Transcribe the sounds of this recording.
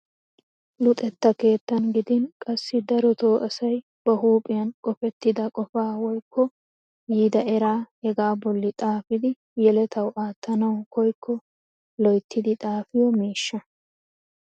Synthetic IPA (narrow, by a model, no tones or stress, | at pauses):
lʊt̪ʼɛt̪ːɐke̞ːt̪ːɐnɡɪd̪ɪnkʼɐsːɪd̪ɐɾɔt̪o̞ːʔɐsɐj | b̥ɐɦuːpʼɪjɐnkʼɔfɛt̪ːɪd̪ɐkʼɔfaːwɔjkːɔ | jiːd̪ɐʔɛɾaːhɛɡaːbɔlːɪt̪ʼaːfɪd̪ɪ | jɛlɛt̪ɐwʔaːt̪ːɐnɐwkɔjkʰːɔ | lɔjt̪ʰːɪd̪ɪt̪ʼaːfɪjɔmiːʃːɐ